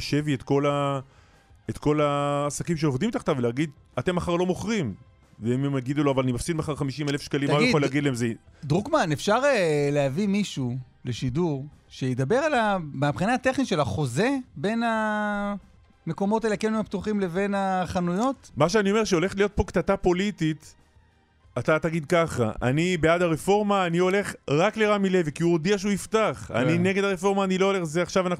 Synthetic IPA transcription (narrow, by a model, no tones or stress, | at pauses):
ʃeviet̪ko̞la | et̪ko̞laːsakimʃ̬eovd̪imt̪aχt̪aveleaɡid̪ | at̪e̞mːaχaʁlo̞moχʁim | veimemaɡid̪ulo̞avalanimafsid̪maχaʁχamiʃimelefʃkalimːaujaoleaɡid̪laemzed̪ʁukmanefʃaʁelehavimiʃu | le̞ʃiduʁʃejed̪abe̞ʁalabapχinaːt̪e̞χniʃe̞laχo̞ze̞be̞na | me̞ko̞mo̞t̪elakenimapt̪uχimle̞ve̞naχanujo̞t̪maʃ̬eanio̞me̞ʁʃeo̞le̞χlijo̞t̪̚po̞kt̪at̪apo̞lit̪it̪ | at̪at̪aɡid̪̚kaχa̰a̰nibeadaʁefo̞ʁmaːnio̞le̞χʁakleʁamile̞vkiuod̪iaʃeuift̪aχa̰nine̞ɡed̪aʁefo̞ʁmaːnilo̞ole̞χzeaχʃavanaχ